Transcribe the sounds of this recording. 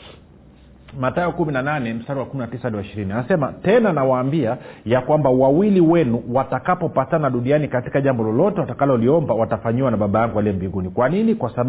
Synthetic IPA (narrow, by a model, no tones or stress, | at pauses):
mataɔkuminananɛm̩staɾiwakuminatisaliwaiʃiɾinianasɛmatɛnanawaːmbiajakwambawawiliwɛnuwatakapɔpatanaɗunianikati̥kaʄambɔlɔlɔtɛwatakalɔliɔmbawatafaɲiwanaɓaɓajaŋɡuwaliɛmbiŋɡunikwaninikwasaɓ